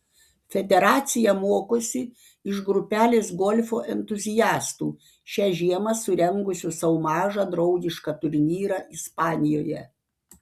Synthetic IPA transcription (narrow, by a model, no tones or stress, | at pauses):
fʲɛd̪ʲɛɾɑːt̪sʲɪjɛmuɔkoːsʲɪ | ɪʃɡɾʊpʲæːlʲeːsɡɔlʲfʲoːʔɛnʲt̪ʊzʲɪjæːst̪uː | ʃʲæːʒʲiɛmɐsʊɾʲɛŋɡʊsʲʊsɐʊmɑːʒɑd̪ɾɒʊɡʲɪʃkɑt̪ʊɾʲnʲiːɾɑʔɪspɑːnʲɪjoːjɛ